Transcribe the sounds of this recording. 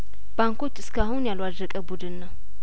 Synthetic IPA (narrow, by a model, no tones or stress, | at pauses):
b̥aŋko̞t͡ʃːɨskʰahunjalwad̪ɾəkʼəbud̪ɨnːəw